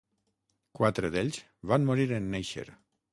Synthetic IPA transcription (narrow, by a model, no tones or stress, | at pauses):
kwat̪ɾeðeʎʲz | βanmoɾiɾenːejʃḛɾ